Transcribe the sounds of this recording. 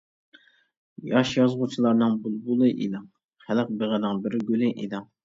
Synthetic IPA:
jɑʃjɑzʁʊt͡ʃʰilˠɑɾnɨŋbulˠbulˠɨʔḭd̪ɨŋ | χælɨq̚beʁɪd̪ɪŋbɪɾɡʲølɪʔid̪ɪŋ

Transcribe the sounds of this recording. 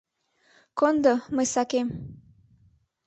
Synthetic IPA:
kond̪omɤjsɑkem

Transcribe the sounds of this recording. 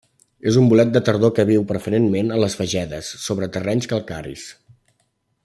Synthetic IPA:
ezumbulɛt̪̚d̪ət̪əɾð̞okəβ̞iwpɾəfəɾenmenələsfəʒɛðəsːoβɾət̪ərɛɲskəlˠkaɾḭs

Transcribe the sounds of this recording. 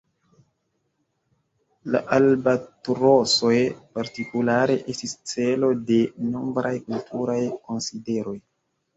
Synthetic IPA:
la̰ʔalbatɾoso̞jpaɾtikulaɾe̞ʔe̞stist͡se̞lo̞de̞no̞mbɾajkultʰuɾajko̞nside̞ɾo̞j

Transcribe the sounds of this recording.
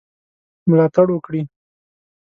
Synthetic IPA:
mlɑt̪aɽwəkɽi

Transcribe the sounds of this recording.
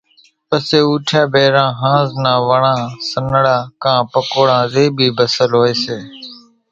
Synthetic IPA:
pəseːuːʈʰjãːbeːɾãːɦãːznãːʋəɳãːsənɽaːkãːpəkoːɽãːzeːbʱiːbəsəlɦoːeːseː

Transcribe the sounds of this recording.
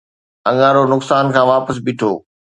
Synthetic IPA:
ɐ̃ŋaːɾonʊksaːnkʰãːʋaːpəs̬bɪʈʰoː

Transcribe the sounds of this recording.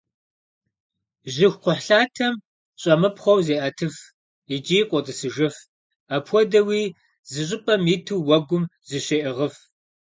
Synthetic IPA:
ʑɪxʷqʷʊħɬaːtʰɐm | ɕʼɐmɨpχʷɔwzeːʔɐtʰɨf | id͡ʒʼiːqʷʼɔtʼɨsɨʒɨf | apʰʷɔdɐwiː | zɨɕ̬ʼɪpʼɐmjitʰɨwːɐɡʷʊmzɨɕeʔɪʁəf

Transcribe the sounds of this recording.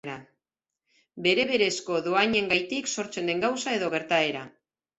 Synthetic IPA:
ɾa | be̞ɾe̞βe̞ɾe̞sko̞ðoaɲe̞ŋɡajt̪ikso̞ɾt͡se̞nd̪e̞ŋɡawsae̞ðo̞ɣe̞ɾt̪ae̞ɾa

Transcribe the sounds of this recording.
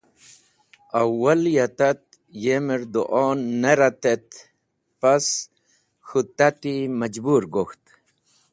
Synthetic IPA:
awwːɐljat̪at̪̚ | jemiɾd̪uʔɔːnːeɾat̪et̪ | pas | xut̪at̪iməd͡ʒbuːɾɡoxt̪

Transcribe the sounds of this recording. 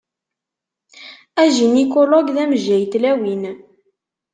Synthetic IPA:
æʒinikoloɡðæməʒæjt̪læwin

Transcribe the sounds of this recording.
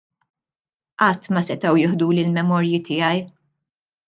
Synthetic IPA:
ʔɐt̪ːmɐsɛt̪ɐwjɪħd̪uːlɪlmɛmɔːɾjit̪ɪːjɐj

